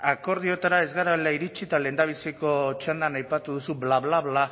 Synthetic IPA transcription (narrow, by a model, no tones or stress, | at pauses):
ako̞ɾðio̞t̪aɾae̞zɣaɾalaiɾit͡ʃit̪ale̞nd̪aβ̞isiko̞t͡ʃand̪anajpat̪uðusuβlaβlaβla